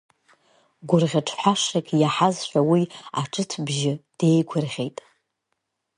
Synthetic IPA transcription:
ɡʷʊrʁʲaʈ͡ʂʰħʷaʂakʲʼʰjaħazʃʷᶣawiaʈ͡ʂʰʼɨtʰbʒɪd̥e̞jkʷʰʊrʁʲejtʼ

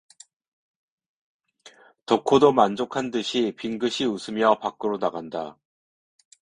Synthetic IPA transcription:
tokʰodomand͡ʑokʰandɯɕʰipiŋɡɯɕʰiusʰɯmjʌpak͈ɯɾonaɡanda

